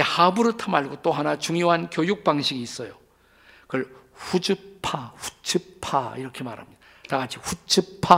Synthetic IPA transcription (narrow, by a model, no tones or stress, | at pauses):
ehabuɾɯɭtʰamaɭɡot͈oɦanat͡ɕuŋjoɦankjojuk̚p͈aŋɕʰiɡiːs͈ʌjo | kɯɭ | ɸud͡ʑɯpʰaɸu̥t͡ɕʰɯpʰa̰ḭɾʌkʰema̰ɾha̰mɲid̥a | taɡat͡ɕʰiɸut͡ɕʰɯpʰa